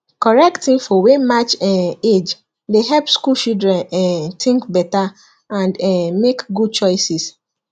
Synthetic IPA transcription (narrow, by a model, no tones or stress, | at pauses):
kɔɹɛktĩnfɔwemat͡ʃɛed͡ʒ | deɦɛlpskult͡ʃildɹɛ̃nɛtʰĩŋkbɛta | ãndɛmekɡud̚t͡ʃɔɪsis